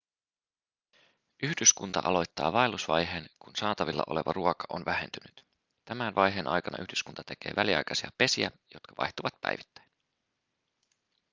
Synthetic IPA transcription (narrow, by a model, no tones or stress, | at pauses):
yhdyskunt̪ɑ̰ʔɑ̰lo̞jt̪ːɑːʋɑelusʋɑjɦe̞ːnkunsɑːt̪ɑʋilːɑ̰ʔo̞le̞ʋɑruokɑ̥ʔonʋæɦe̞̰nt̪ynyt̪ | t̪æmænʋɑjɦe̞ːnʔɑ̰jkɑnɑʔyhdyskunt̪ɑ̥t̪e̞k̟e̞̰ːʋʔæliɑ̰jkɑsiɑpe̞siæ̰jo̞t̪kʰɑʋɑ̰jt̪uʋɑt̪̚pæ̰jʋit̪ːæ̥jn